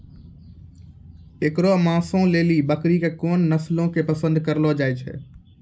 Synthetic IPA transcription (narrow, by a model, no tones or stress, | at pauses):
ekɾomãsõleːlibəkɾikekoːnːəslõkepəsə̃nd̪ʱkəɾlɔd͡ʒaːɪt͡ʃʰɛ̰